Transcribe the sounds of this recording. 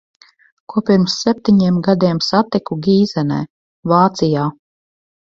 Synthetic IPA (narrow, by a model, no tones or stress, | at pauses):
kuɔpʲiɾmsːɛp̚ʲt̪iɲiɛmɡad̪iɛmsat̪ikuɡʲiːzɛnɛ̰ː | vaːt̪sijaː